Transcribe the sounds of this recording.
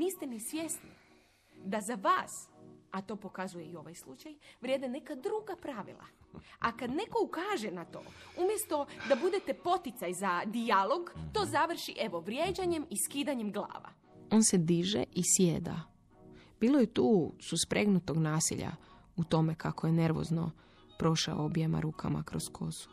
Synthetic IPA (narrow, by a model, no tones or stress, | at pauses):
nist̪enisʋʲje̞sni | d̪azaʋaːsat̪o̞po̞kazuje̞io̞ʋajslˠut͡ʃajʋɾʲje̞ːd̪ene̞kad̪ɾuɡapɾaʋḭlˠa̰akad̪ne̞ko̞ukaːʒe̞nat̪o̞̰ːumje̞st̪o̞d̪abud̪et̪e̞po̞t̪it̪sajzad̪ialˠo̞ɡt̪o̞ːzaʋr̩ʃiʔeʋo̞ʋɾje̞ːd͡ʒaɲe̞miskiːd̪aɲemɡlˠa̰ːʋa̰ | o̞ːnse̞d̪iːʒḛʔisjed̪a̰ | b̥iːlˠojet̪uːsuspɾʔe̞ɡnut̪o̞ɡnaːsḭʎa̰ | ut̪o̞me̞kakoje̞ne̞ɾʋo̰zno̞̰ | pɾo̞ʃa̰oobiema̰ɾuːkʰa̰ma̰kɾo̞skʰo̞su̥